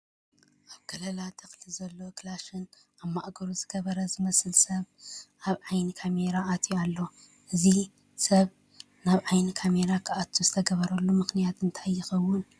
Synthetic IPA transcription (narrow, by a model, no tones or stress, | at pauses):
ʔaβɡ̥ɐlɐlat̪ʰɨxlizɐlːo̞kʰlaʃɨn | aβmaʔɡɐɾuzɨɡɐβɐɾɐzɨmɐsɨlsɐβʔaβʕajnikʰame̞ɾaːt̪ʰjalːo̞ | ʔɨzi | sɐβ | naβʕajnikʰame̞ɾakʰaʔat̪ʰːuzɨt̪ʰɐɡɐβɐɾɐlːumɨxnijat̪ɨnt̪ʰajːɪxɐwːʊn